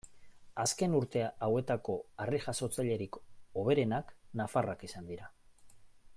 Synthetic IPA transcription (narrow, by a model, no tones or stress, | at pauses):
aske̞nuɾt̪e̞aawe̞t̪ako̞ariʝaso̞t͡saʎe̞ɾiko̞β̞e̞ɾe̞naknafarakisand̪iɾa